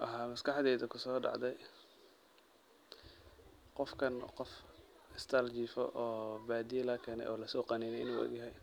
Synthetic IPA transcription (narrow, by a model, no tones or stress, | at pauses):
ʔɐɦaːmɐskɑħd̪ɛːðɐkʰʊsɔːɖɑ̰ʕd̪ɛj | qɔfkʰɐnqɔfɪst̪ʰɐlt͡ʃiːfɔ̰ʔɔːbaːd̪ijlɐkʰɛːnɛ̰jʔɔːlɐsɔːqɑniːnɛɪ̰nuːʔɐ̰ɡjɐɦɛj